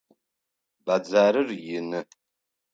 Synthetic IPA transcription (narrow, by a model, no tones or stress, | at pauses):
bad͡zaːɾɨrjɪnɨ